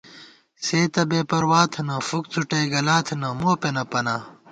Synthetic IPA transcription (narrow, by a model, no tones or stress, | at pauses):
seːt̪ɐbeːpɐɾwaːt̪ʰɐnɐ̃fuk̚t͡s̪ʰuʈeɡɐlaːt̪ʰɐnɐmoːpenɐpɐnaː